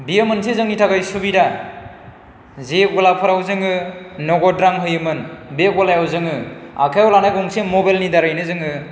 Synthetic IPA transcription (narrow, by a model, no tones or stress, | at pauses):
bijamɯnsezɯŋitʰaɡajsubida | zeɡɔlapʰɯɾawzɯŋɯnɔɡɔdɾaŋɦɯjɯmɯnbeɡalajawzɯŋɯa̰kʰajɔlanajɡɔŋsemɔbalnidaɾajnɯzɯŋɯ